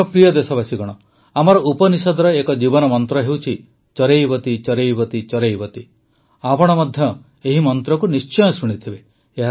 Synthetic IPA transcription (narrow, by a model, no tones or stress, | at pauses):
ɔpɾijɔd̪esɔbasiɡɔɽ̃ɔ | amɔɾɔupɔnisɔd̪ʱɔɾɔekɔd͡ʒibɔnɔmɔnt̪ɾɔɦewt͡ʃʰi | t͡ʃɔɾejbɔt̪it͡ʃɔɾejbɔt̪it͡ʃɔɾejbɔt̪i | apɔɽ̃ɔmɔd̪ʱjɔ | eɦimɔnt̪ɾɔkunist͡ʃɔjɔsuɽ̃it̪ʰibeː | ɦa